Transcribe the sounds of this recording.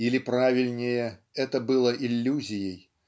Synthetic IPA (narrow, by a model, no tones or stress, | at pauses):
ilʲɪpɾavʲilʲnʲɪjɛɛt̪ɐbɨlˠɐʔilʲːuzʲɪjej